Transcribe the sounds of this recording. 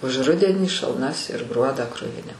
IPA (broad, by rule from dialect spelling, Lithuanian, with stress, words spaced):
ʊʃ ˈrʊdʲɛnʲiː ʃɐlˠˈnɐs ɪr ˈɡruɔdɑː ˈkrʊʋʲɪnʲɪ